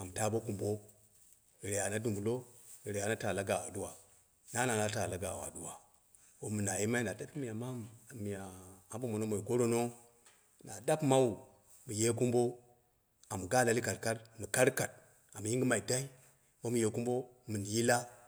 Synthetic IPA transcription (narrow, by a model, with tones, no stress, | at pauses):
a˨m˨ta˦bo˦ku˨mbo˦ | i˨ɾe˨ja˨na˦du˨mbu˨lo˦i˨ɾe˨ja˨na˦ta˨la˦ɡa˨wa˨du˦wa˨ | na˦na˨na˦ta˨la˦ɡa˨wa̰˨du˦wa˨ | wo˦mu˨na˨ji˦ma˦i˦na˨ta˦pi˦mi˨ja˨ma˦m˨mi˨ja˨a˦bo˦mo˨no˦mo˨i˨ko˦ɾo˦no˦ | na˨da˦pma˦wu˨ | mu˨je˦ku˦mbo˦ | a˨m˨ɡa˦la˦li˦ka˨ɾka˦ɾmi˨ka˦ɾka˨t̚ | a˨m˨ji˦ɡi˦ma˨i˨da˦i˦ | bo˦mu˨je˨˦ku˦mbo˦ | mɨ˨n˨ji˦la˦